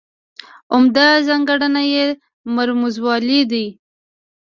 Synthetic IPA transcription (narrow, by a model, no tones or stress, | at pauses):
ʊmd̪azaŋɡaɽanaje | maɾmuzwɑlid̪i